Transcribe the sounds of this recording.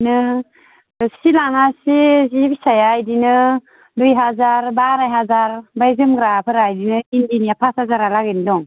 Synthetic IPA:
nɯ | silaŋasizibisajajdinɯ | dujɦazaɾbaɾajɦazaɾbajzɯmɡɾapʰɯɾajdinɯindinijapʰashazaɾalaɡinidɔŋ

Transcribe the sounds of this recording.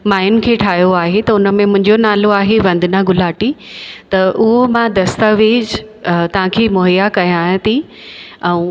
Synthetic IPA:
maːɪjʊnkʰeːʈʰaːjoaːɦet̪ɐʊnə̆mẽmʊ̃ɦɪ̃ɲd͡ʑonaːloaːɦeʋɐ̃nd̪ʱɪnaɡʊlaːʈit̪ɐʔʊɦomãd̪ɐst̪aʋeːd͡ʑt̪ɐʋ̤ãkʰeːmoɦjakɐjãt̪ʰi | ɛ̃ũ

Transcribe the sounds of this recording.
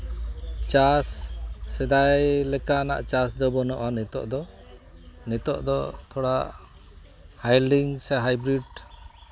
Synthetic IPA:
t͡ʃasːɛd̪ajlɛkana̰ʔt͡ʃasd̪ɔbɔnɔʔanɛt̪ɔ̰ʔd̪ɔ | nɛt̪ɔʔd̪ɔt̪ʰɔɽaʔ | hajliŋsɛɦajbɾiɖ

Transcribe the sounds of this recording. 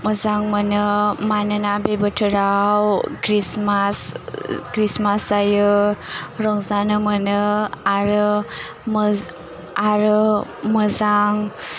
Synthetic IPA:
məzaŋmənɯmanənabebətʰɯɾawkɾismaskɾismasajɯ | ɾɔŋzanɯmɐnɯaɾɯ | m | aɾɯməzaŋ

